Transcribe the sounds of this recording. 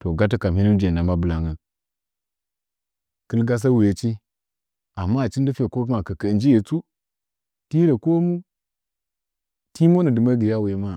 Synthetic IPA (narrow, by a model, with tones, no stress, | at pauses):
to˨ɡa˦t̬i˦ka˨m˨hi˦ni˦d͡ʒe˨na˨ma˦bə˨la˨ŋə˨ | kɨ˦lɡa˦s̬a˦wi˨e˨t͡ʃi˦ | a˨mːa˦˨t͡ʃi˦n˦di˦fe˨ko˦ma˨kə˨kə˨nd͡ʒi˦je˨t͡su˦ | ti˦ɾe˨ko˦mu˦ | ti˦mo˦nə˨dɨ˨ma˦ɡi˨ɾa˦we˨˦ma˦˨